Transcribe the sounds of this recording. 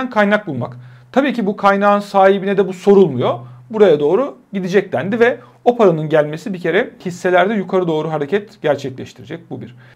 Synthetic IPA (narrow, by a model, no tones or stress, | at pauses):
nkʰajnak̚bulˠmakt̪ʰabiːcibukʰajnaːɯnsaːɦibinɛd̪ɛbuso̞ɾulˠmujo̞buɾajad̪o̞ːɾuɟid̪id͡ʒɛc̚d̪ænd̪ivɛ | o̞pʰaɾanɯnɟælʲme̞sibicʰe̞ɾɛhisːe̞lʲæɾd̪ɛjukʰaɾɯd̪o̞ːɾuɦaɾecʰɛt̪ɟ̥æɾt͡ʃʰɛclʲɛʃt̪ʰiɾid͡ʒɛc̚bubiɾ̥